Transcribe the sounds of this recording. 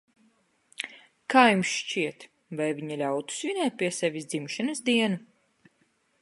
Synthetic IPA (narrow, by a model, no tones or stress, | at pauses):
kaːjumsʃt͡ʃiɛt̪ | vajvʲiɲalʲawt̪u̥svinɛːt̪̚pʲiɛsɛvʲisd̪zimʃɨnɨsd̪iɛnu